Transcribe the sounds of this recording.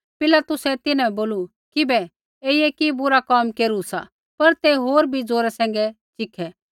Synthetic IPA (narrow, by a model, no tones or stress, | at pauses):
pɪlaːt̪ʊsɛt̪ɪnãboːlu | kɪbɛ | eːiɛkibʊɾakaːmkeːɾusa̰ | pɐɾt̪eɦoːɾbʱid͡zoːɾɛsɛ̃ːŋ̆ɡɛ | t͡ʃɪkʰːɛ